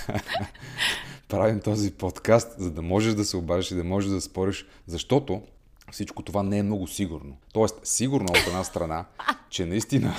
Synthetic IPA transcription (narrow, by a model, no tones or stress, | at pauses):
pɾavimt̪ɔzipot̪kast̪zɐd̪ɐmɔʒɛʃd̪ɐsɛʊbaʒɛʃid̪ɐmɔʒɛʒd̪ɐspɔɾiʃ | zɐʃt̪ɔt̪o | fsit͡ʃkot̪ovanɛɛmnɔɡʊsiɡʊɾnot̪ɔɛst̪siɡʊɾnʊɛot̪ɛd̪nast̪ɾɐnat͡ʃɛnɐist̪inə